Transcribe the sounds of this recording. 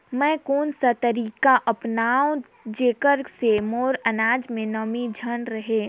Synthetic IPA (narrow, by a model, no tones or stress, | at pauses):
mɛ̃ːkoːnsat̪ɐɾiːkaʔɐpnaːõ | d͡ʒeːkəɾsemoːɾɐnaːd͡ʒmẽnəmid͡ʒʱənɾɐɦeː